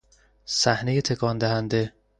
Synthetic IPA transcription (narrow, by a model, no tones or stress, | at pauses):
sæhnejet̪ʰekʰɒnd̪æhænd̪e̞